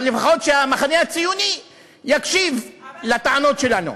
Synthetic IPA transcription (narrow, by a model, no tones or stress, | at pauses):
lefaχo̞tʃeamaχaneat͡sijuni | jakʃivlat̪aʕano̞tʃe̞lanṵ